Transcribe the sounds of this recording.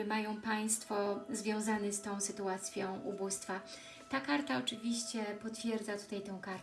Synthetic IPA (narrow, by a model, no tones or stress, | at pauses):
majɔ̃w̃paj̃st̪fɔzvʲjɔ̃w̃zanɛst̪ɔ̃w̃sɘt̪uat̪sʲjɔ̃w̃ʔubust̪fa | t̪akaɾt̪aɔt͡ʂɘvʲiɕt͡ɕɛpɔt̪fʲjɛɾd̪zat̪u̥t̪ajt̪ɛ̃w̃kaɾ